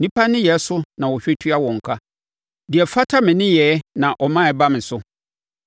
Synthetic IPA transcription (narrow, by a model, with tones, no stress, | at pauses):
nĩ˦pʰa˦nɪ̃˦jɛ˨˦sʊ˦nã˨wɔ˨ɕᶣɪ˦tʰɥa˦wɔ̃˨ŋ̩˨kʰa˦ | dɪ˨ɛ˨fa˦tʰa˦mɪ̃˨nɪ̃˦jɛ˨˦nã˨ʔɔ˨mã˦˨˦ba˦mɪ̃˨sʊ˦